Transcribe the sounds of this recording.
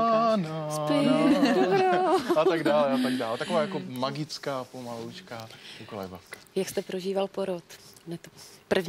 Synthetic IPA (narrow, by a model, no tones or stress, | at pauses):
anspɪbɾoaaɡdaːlɛʔat̪aɡdaːlt̪akovaːjakomaɡɪt͡skaːpomalowt͡ʃkaːkokolɛ̰vafkḁjakst̪ɛpɾoʒiːvalpoɾot̪nɛt̪opr̩vɲ